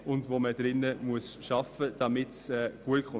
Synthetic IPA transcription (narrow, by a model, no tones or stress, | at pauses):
ʊndʋoməd̥ɾɪnːəmuəsʃɑfəd̥ɑmɪtsɛːɡ̥uət̚kχʊ